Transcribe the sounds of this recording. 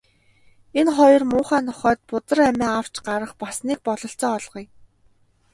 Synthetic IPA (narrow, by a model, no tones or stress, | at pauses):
enχɔjɞ̆rmʊːχaːnʰɔχœːt̪̚pʊt̪ə̆ræmʲæːaw̥t͡ɕɢaɾə̆χpasniːk̚pɔɮɞ̆ɬt͡sɔːɮʁɞ̆j